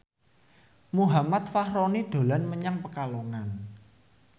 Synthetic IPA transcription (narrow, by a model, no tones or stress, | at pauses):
muɦamat̪̚fahɾonid̪̥o̤lanməɲaŋpəkaloŋan